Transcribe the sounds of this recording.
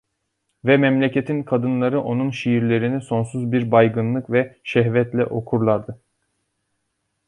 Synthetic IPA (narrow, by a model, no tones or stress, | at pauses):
vɛmɛmlʲecet̪ʰinkʰad̪ɯnlˠaɾɯʔo̞nunʃijiɾlʲe̞ɾiniso̞nsuzbiɾbajɡɯnlˠɯkvɛʃɛɦvɛt̪lʲɛʔo̞kʰuɾlˠaɾd̪ɯ